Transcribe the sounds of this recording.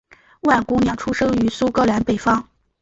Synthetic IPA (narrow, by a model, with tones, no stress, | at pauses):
wa˥˩nku˥njɑ˨˩ʈ͡ʂʰu˥ʂɤ˥ŋy˧˥su˥kɤ˥la˧˥npe˨˩ɪfɑ˥ŋ